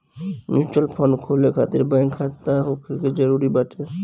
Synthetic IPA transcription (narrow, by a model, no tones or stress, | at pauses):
mut͡ʃəlpʰənkʰolekʰa̰ːt̪ɪɾbãŋkʰːat̪aɦokʰɾked͡ʒəɾuɾibəʈʰe